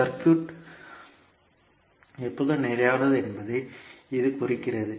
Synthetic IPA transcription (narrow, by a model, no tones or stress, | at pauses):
ɐɾkjuːʈ | ɛpːoðɯnɛːɾɐjaːnɐðɯɛnbɐðɐɪɪðɯkʊrɪkːɪrɐðɯ